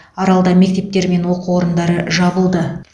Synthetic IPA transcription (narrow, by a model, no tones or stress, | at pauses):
ɑɾɑlˠd̪ɑme̞k̚t̪e̞p̚t̪e̞ɾme̞nwo̞qəwo̞ɾənd̪ɑɾəʒɑbəlˠd̪ə